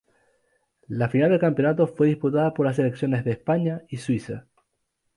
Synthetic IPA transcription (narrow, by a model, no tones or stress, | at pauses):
lafinald̪elkampjo̞nat̪o̞fwe̞ðisput̪aðapoɾlas̬ele̞ksjo̞ne̞zðeːspaɲaiswisa